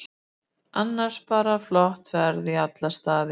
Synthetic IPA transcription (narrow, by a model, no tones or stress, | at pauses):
anːaɾ̥spaːɾaflɔht̪vɛɾðiat̪last̪aːðɪ